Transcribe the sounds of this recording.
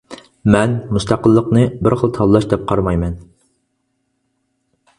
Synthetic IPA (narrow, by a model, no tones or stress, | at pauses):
mɛnmust̪ʰɑqəlˠːəqnɨbɪɾχəlˠt̪ʰɑlˠlˠɑʃd̪ɛp̚qʰɑɾmɑjmɛn